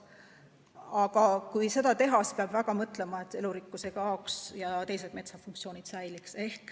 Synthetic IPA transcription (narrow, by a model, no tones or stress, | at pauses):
ɑɡ̥ɑkujse̞d̪̥ɑt̪e̞ɦɑspeɑb̥væɡ̥ɑmɤt̪ˑle̞mɑet̪ːˑe̞luɾikːˑuse̞ɡ̥ɑɑoksjɑt̪e̞jsed̪̥me̞t̪sɑfuŋk̚tsioːnʲid̪̥sæjlikse̞hk